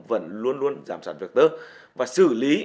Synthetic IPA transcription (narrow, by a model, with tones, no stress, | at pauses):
və̰˧˨nlu˧ənlu˧ənzaː˧˩msaː˧˩nvi˨˩ək̚t̪əː˧ | vaː˨˩sɨ̰˧˩li˨˦